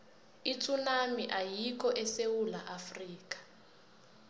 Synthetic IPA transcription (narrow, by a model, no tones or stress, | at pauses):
itʰunamiʔajik̬ʰʼɔʔɛsewulaʔafriːk̬ʼḁ